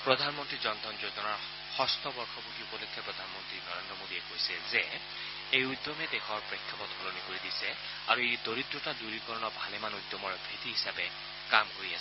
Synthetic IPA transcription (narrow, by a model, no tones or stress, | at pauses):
pɹɔdʱanmɔntɹizɔnd̪ʱɔnzojzɔnaɹ | xɔst̪ɔbɔɹkʰɔbutiupɔlɔkʰːɛpɹɔd̪ʱanmɔntɹinɔɹendɹɔmodiɛkojsilzɛ | ejujd̪jɔmɛdɛxʰɔɹpɹɛkʰːapɔthɔlonikoɹidisɛ | a̰ɹuejdoɹidɹɔtaduɹikɔɹɔnɔbʱalɛmanujd̪jɔmɔɹbʱetiɦisapɛ | kamkoɹias